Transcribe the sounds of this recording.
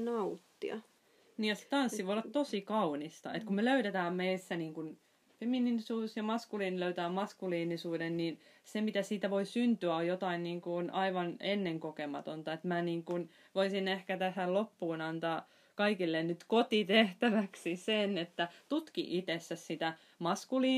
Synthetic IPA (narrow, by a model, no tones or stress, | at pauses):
nɑut̪ːiɑ̰ | niːjɑse̥t̪ɑnsːiʋoiolːɑt̪t̪osikɑunist̪ɑ̰ḛt̪kummeløyɾet̪æːmmeisːæniːŋkun | femininsuːsjɑmɑskuliːniløyt̪æːmmɑskuliːnisuːdennin | semit̪æsiːt̪æʋoisynt̪yæojot̪ɑinniːŋkuonʔɑiʋɑnenːeŋkokemɑt̪ont̪ɑet̪mæniːŋkun | ʋoisinehkæt̪æsællopːuːnɑnt̪ɑː | kɑikilːennyt̪kot̪it̪eht̪æʋæksisenet̪ːæt̪ut̪kḭʔit̪esːæssit̪æ | mɑskuliː